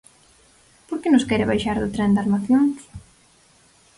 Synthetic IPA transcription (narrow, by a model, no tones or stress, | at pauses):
poɾkɪnõskɛɾɪβajʃaɾðʊt̪ɾɛnd̪aɾmaθjoŋs